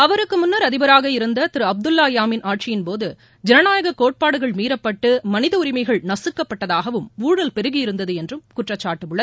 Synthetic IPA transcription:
ɐʋɐɾɯkːɯmʊnːɐɾɐðɪbɐɾaːɣɐɪɾɯnd̪ɐt̪ɪɾɯɐb̚d̪ɯlːaːjaːmɪnʔaːʈ̚t͡ʃɪjɪnpoːðɯ | d͡ʒɛnɐnaːjɐɣɐkoːʈ̚paːɽɯɣɐɭmiːɾɐpːɐʈːɯmɐnɪðɐʊɾɪmɐɪɣɐɭnɐsɯkːɐpːɐʈːɐðaːɣɐʋɯmuːɽɐlpɛɾɯɣɪjɪɾɯnd̪ɐðɯɛndrɯmkʊʈrɐt͡ʃːaːʈːɯmɯɭːɐðɯ

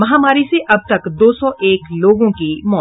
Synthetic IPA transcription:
mɐɦaːmaːɾiseʔɐb̚t̪ɐkd̪oːsɔʔeːkloːɡõkimɔː

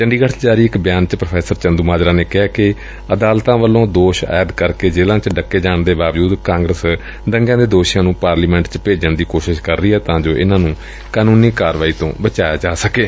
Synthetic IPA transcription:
t͡ʃəɳɖiːɡəʈʰd͡ʒaːɾiːɪkbjaːnt͡ʃpɾəpʰɛːsəɾt͡ʃənd̪uːmaːd͡ʒɾãːneːkɛːkɪ | əd̪aːlt̪ãːʋəlːõːd̪oːʃa̰ːəd̪kəɾkeːd͡ʒeːlãːt͡ʃɖəkːeːd͡ʒaːɳd̪eːbaːʋd͡ʒuːd̪kãːŋɡɾəs | ɖ̪əŋɡjãːd̪eːd̪oːʃjãːnũːpaːɾliːmɛ̃ːɳʈt͡ʃpeːd͡ʒəɳd̪iːkoːʃɪʃkəɾːiːɦɛːt̪ãːd͡ʒoːʔɪnãːnũː | kaːnuːniːkaːɾʋaːiːt̪õ̰ːbət͡ʃaːjaːd͡ʒaːsəkeː

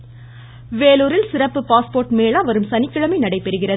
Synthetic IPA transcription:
ʋeːluːɾɪlsɪrɐpːɯpaːspoːrʈmeːɭaːʋɐɾɯmsɐnɪkːɐɭɐmɐɪnɐɽɐɪpːɛɾɯɣɪrɐðɯ

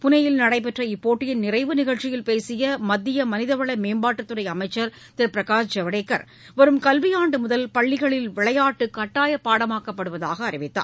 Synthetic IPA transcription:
pʊnɐjɪlnɐɽɐɪp̬ɛʈrɐɪpːoːʈːɪjɪnnɪɾɐɪʋɯnɪɣɐɭt͡ʃːɪjɪlpeːsɪjɐmɐd̪ːɪjɐmɐnɪðɐʋɐɭɐmeːmbaːʈːɯt̪ːɯrɐɪɐmɐɪt͡ʃːɐɾ | t̪ɛɾpɪɾɐkaːsd͡ʒɐʋɐɽeːkːɐ̰ɾ | ʋɐɾɯmkɐlʋɪjaːɳɖɯmʊðɐlpɐɭːɪɣɐɭɪlʋɪɭɐjaːʈːɯkːɐʈːaːjɐpːaːɽɐmaːkɐpːɐɽɯʋɐða̰ːɣɐːrɪʋɪt̪ːa̰ː

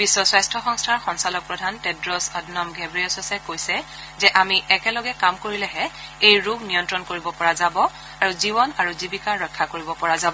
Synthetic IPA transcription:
bisːɔsɹajstʰɔxɔŋstʰaɹxɔŋsalɔk̚pɹɔdʱantedɹɔsɔdnɔmɡʱebɹiɔsɔsajkojsɛ | zɛʔamiʔɛkɛlɔɡɛkamkoɹilɛɦɛejɹubʱnijɔntɹɔnkoɹibɔpɔɹazabɔ | aɹuzibɔnaɹuzibikaɹːɔkʰːakoɹibɔpɔɹazabɔ

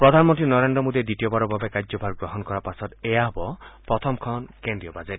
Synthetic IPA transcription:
pɾɔd̪ʱanmɔnt̪ɾinɔɾend̪ɾɔmod̪ied̪itijɔbaɾɔbabekazɔbʱaɾɡɹɔɦɔnkɔɾapasɔt̪ejaɦɔbɔpɹɔt̪ʰɔmkʰɔnkendɹiɔbazet

